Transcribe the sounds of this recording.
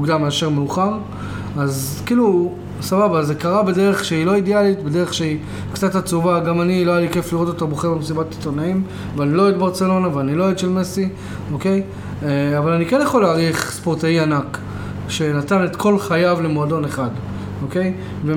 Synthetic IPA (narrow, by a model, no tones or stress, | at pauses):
uɡdameaʃe̞ʁmeuχaʁ | az | kilu | sababaze̞kaʁabedeʁe̞χʃeilo̞idealitbede̞ʁeχʃei | kt͡sathat͡suvaɡamaniloajalike̞fliʁo̞t̪otoboχeʁbemesibatːi̥tonaim | veanilo̞ed̪baʁt͡se̞lo̞naveanilo̞edʃelmesi | o̞ke̞j | avalanikenjaχo̞laːʁiχspo̞ʁtaianak | ʃe̞natane̞t̪kʰo̞lχajavle̞moado̞neχad | o̞ke̞j | ve